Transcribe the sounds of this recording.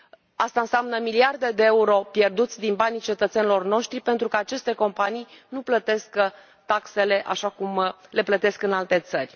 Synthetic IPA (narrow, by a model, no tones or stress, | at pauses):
ast̪aɨnsʲamnəmiliard̪e̞d̪eeuɾo̞pje̞rd̪ut̪sʲd̪inbanit͡ʃe̞t̪ət̪se̞nilo̞rno̞ʃt̪ɾipe̞nt̪ɾukəat͡ʃe̞st̪e̞ko̞mpanijnuplət̪eskə | t̪akse̞le̞ʔaʃakumle̞plət̪e̞skɨnalt̪e̞t̪sərʲ